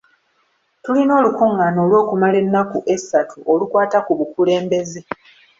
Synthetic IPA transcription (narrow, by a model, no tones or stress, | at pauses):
tulino̞ːlukuŋːano̞ːlwo̞ːkumale̞nːakuʔe̞sːatʰuʔolukwaːtakuβukule̞ːmbe̞ze̞